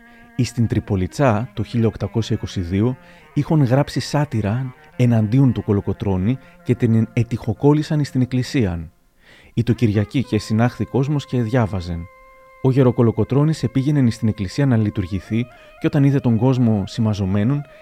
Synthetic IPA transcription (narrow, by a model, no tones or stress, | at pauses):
ist̪int̪ɾipo̞lit͡sɐt̪o̞çiʎɐo̞kt̪ɐko̞sɐiko̞siðio̞ | ixoŋɣɾɐpsisɐt̪iɾɐ | e̞nɐnd̪iont̪uko̞lo̞ko̞t̪ɾo̞ni | ce̞t̪ine̞t̪ixo̞ko̞lisɐnist̪ine̞klisiɐn | it̪o̞ciɾʝɐcice̞sinɐxθiko̞zmo̞sce̞ðʝɐvɐzen | o̞ʝe̞ɾo̞ko̞lo̞ko̞t̪ɾo̞nise̞piʝe̞ne̞nist̪ine̞klisiɐnɐlit̪uɾʝiθi | ceo̞t̪ɐniθe̞t̪o̞ŋɡo̞zmo̞simɐzo̞me̞no̞n